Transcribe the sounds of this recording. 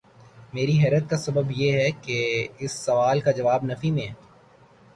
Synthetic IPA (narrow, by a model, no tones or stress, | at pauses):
meːɾiɦɛːɾət̪̚kasɐbəbjeɦɛkeɪsːɐʋaːlkad͡ʒɐʋaːbnɐfimẽ